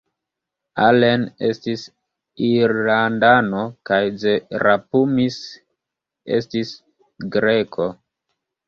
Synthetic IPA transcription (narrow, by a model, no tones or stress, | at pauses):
alenestis | iɾlandanokajd͡ze̞ɾʔapumis | ḛstis | ɡɾekʰo̞